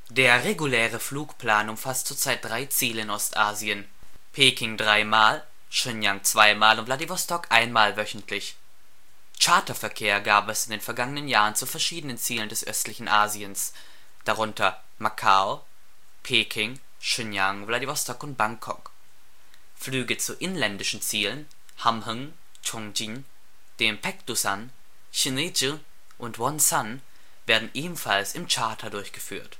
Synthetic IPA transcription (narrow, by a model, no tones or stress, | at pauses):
d̥eːɐʁeɡulɛːʁəfluːkpl̥aːnʊmfastt͡suːɐt͡saɪt̚d̥ʁaɪt͡siːləɪnɔstʔaːziən | pʰeːkɪŋdʁaɪmaːl | ʃʏnjaŋt͡sv̥aɪmaːlʊntvladivɔstɔkʔaɪnmaːlvœçn̩tʰlɪç | t͡ʃaɐtɐfɛɐkʰeːɐɡaːpɛsɪndeːnfɛɐɡaŋənənjaːʁənt͡sufɛɐʃiːdənənt͡siːləndɛsʔœ̰stlɪçn̩ʔaːziəns | d̥aʁʊntɐ | makʰao | pʰeːkʰɪŋ | ʃɪnjaŋvladivɔstʰɔkʊnt̚b̥aŋkʰɔ̰k | flyːɡət͡suʔɪnlɛndɪʃn̩t͡siːlən | hamhʊŋ | t͡ʃʰɔŋd͡ʒin | d̥empɛktusan | çinid͡ʒi | ʔʊntwɔnsan | veːɐdn̩ʔeːbm̩falsɪmt͡ʃaɐtʰadʊɐçɡ̥əfy̰ːɐt